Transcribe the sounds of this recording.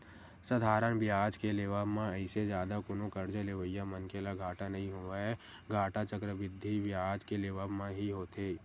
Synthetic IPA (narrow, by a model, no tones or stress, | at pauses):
səd̪ʱaːɾənbjaːd͡ʒkeleːʋaːbmãəɪsed͡ʒjaːd̪akʊnõkəɾd͡ʒəleʋəjːamənkelaɡʱaːʈanɐɦĩɦoːaɛ | ɡʱaːʈat͡ʃəkɾəʋɪd̪ʱːiʋjaːd͡ʒkeleːʋaːbmãɦiɦoːt̪eː